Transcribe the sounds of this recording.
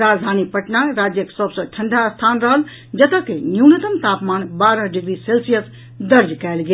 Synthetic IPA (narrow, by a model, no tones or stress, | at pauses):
ɾad͡ʒd̪ʱanipəʈnaɾad͡ʒjəksəbsə̃ʈʰəɳɖʱast̪ʰanɾəɦəl | d͡ʒət̪əkenjuwnət̪əmt̪apmanbaɾəɦɖiɡɾiselsijəs | d̪əɾd͡ʒkɛelɡe